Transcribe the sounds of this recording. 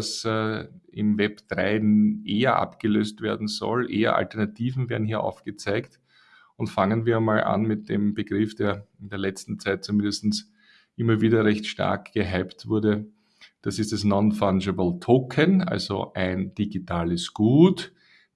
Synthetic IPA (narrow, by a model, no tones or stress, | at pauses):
s | ɪmvɛb̥d̥ʁaɪnʔeːɐʔa̰pɡ̥əløːstveːɐdn̩zɔ̰lʔeːɐ̰ʔa̰ltɛɐnatʰiːvn̩veɐdn̩ɦiːɐʔɑ̰ʊfɡ̥ət͡sæɪkt | ʊntfaŋənviːɐmaːlʔa̰nmɪt̚d̥eːmbəɡ̥ʁɪfd̥eːɐɪndeːɐlɛt͡stn̩t͡sæɪt̚t͡sumɪ̃ndəstn̩s | ʔɪmɐviːdɐʁɛçtʃta̰ɐkɡ̥əɦæɪptv̥ʊɐdə | d̥asɪstd̥asnɔnfand͡ʒəbl̩tʰoːkʰəna̰lzo̰ʔæɪnd̥iɡitʰaːləsɡ̥uːt